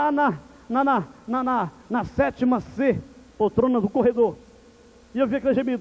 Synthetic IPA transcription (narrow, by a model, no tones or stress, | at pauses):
anɐ | nanananɐ | nɐsɛt͡ʃimɐsepot̪ɾõnɐd̪ʊkoɦed̪oɾ | ɪewviɐkelɐʒẽmid̪ʊ